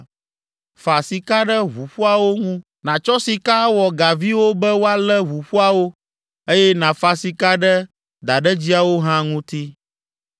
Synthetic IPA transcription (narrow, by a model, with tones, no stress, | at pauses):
fa˨si˨ka˦ɖɛ˦βu˨ɸu˦a˨wo˦ŋũ˦ | nã˨t͡ʃɔ˦si˨ka˦wɔ˨ɡa˨vi˦wo˦bɛ˦wo˦a˦lɛ˦βu˨ɸu˦a˨wo˦ | e˦jɛ˦nã˨fa˨si˨ka˦ɖɛ˦ | d̪a˨ɖɛ˦d͡ʑi˦a˨wo˦ɦã˦ŋũ˦t̪i˦